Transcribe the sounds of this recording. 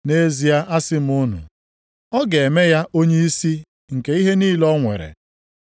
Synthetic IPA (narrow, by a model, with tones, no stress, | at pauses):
ne˦zi˨a˦ʔa˦sɪ˦m̩˦ʊ˦nʊ̰˨ | ɔ˦ɡe˨e˨me˦ja˦ʔo˦ɲe˦i˦si˦ | ŋ̩˨ke˨˦i˦ɦe˦niː˦lɔ˦ŋʷḛ˨ɾḛ˨